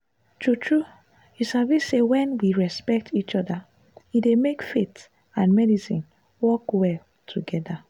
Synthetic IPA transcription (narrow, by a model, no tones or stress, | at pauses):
tʰɹutʰɹu | isavissewɛ̃nwiɹɛspɛk̚tʰit͡ʃɔda | idemekfet | ãnmɛdisḭ̃n | wɔkwɛl | tʰuɡɛda